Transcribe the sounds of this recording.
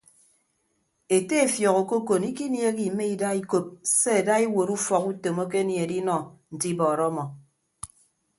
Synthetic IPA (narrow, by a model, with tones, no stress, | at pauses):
e˨te˦e˨fjɔ˨ɣo˨ko˦ko˨ni˦ki˦nje˦ki˨me˦i˨da˦i˦ko˦p̚se˦e˨da˦i˦wo˨ɾu˦fɔ˨ku˦to˨mo˦k̬e˦nje˨di˦nɔ˨n̩˨ti˦bɔː˨ɾɔ˦mɔ˨